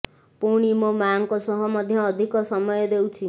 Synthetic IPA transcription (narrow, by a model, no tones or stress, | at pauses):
puɽ̃imomaŋkosɔɦɔmɔd̪ʱjʌːd̪ʱikɔsɔmɔjɔd̪ewt͡ʃʰi